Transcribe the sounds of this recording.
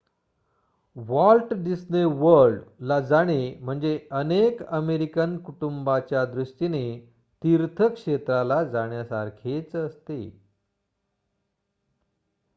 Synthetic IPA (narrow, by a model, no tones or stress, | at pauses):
ʋɔlʈɖisneʋəɾɭɖlad͡zaɽ̃em̤əɳd͡zeənekəmeɾikənkuʈumbat͡ɕjad̪ɾuʂʈine | t̪iɾt̪ʰəkʂet̪ɾalad͡zaɽ̃jasaɾkʰet͡səst̪ḛ